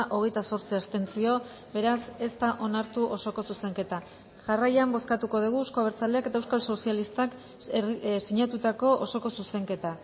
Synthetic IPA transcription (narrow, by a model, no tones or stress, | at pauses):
ʔo̞ɣe̞jt̪aso̞ɾt͡siast̪e̞nt͡sio̞ | be̞ɾase̞st̪aʔo̞naɾt̪uʔo̞so̞ko̞suse̞ŋke̞t̪a | ʝarajambo̞skat̪uko̞ð̞iɣ̞uskoaβeɾt͡saleake̞t̪aewskalso̞sialist̪ak | siɲat̪ut̪ako̞ʔoso̞ko̞suse̞ŋke̞t̪a